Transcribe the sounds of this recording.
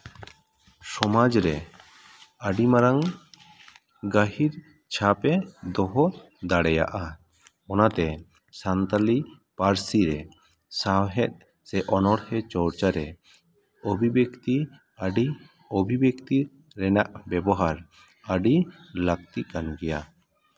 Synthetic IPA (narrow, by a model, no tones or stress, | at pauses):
sɔmad͡ʒɾɛ | aɖimaɾaŋ | ɡaɦiɾ | t͡ʃʰapɛd̪ɔɦɔ | d̪aɽɛja̰ʔa | ɔnat̪ɛ | sant̪ali | paɾsiɾɛ | saɦɛt̪̚ˀ | sɛʔɔnɔɽhɛt͡ʃɔɽt͡ʃaɾɛ | obʱibjekt̪i | aɖi | obʱibjekt̪i | ɾɛnaʔbɛbɔɦaɾ | əɖilak̚t̪iʔkanɡɛja